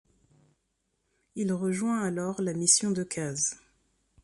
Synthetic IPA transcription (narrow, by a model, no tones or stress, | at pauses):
ilʁəʒwɛ̃alɔʁlamisjɔ̃d̪əkʰaz